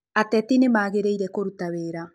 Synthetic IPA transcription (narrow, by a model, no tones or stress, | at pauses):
atɛtinemaːɣeɾeiɾɛkoɾutaweɾa